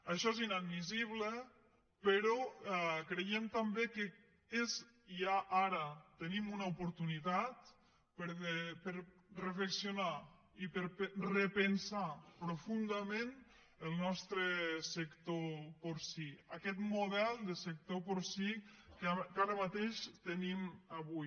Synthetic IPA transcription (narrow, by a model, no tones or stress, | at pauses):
əʃɔezinad̪miziβlə | pəɾɔɛkɾejemt̪ambekə | ez | iaʔaɾət̪ənimunaupuɾt̪unit̪at̪ | pəɾepəɾ | rəfləksiuna | ipeɾprepənsapɾufund̪amẽn | əlˠnɔst̪ɾəsəkt̪opoɾsiakɛt̪muðɛlˠd̪əsək̚t̪opoɾsikkaɾəmat̪eʃt̪ənimaβuj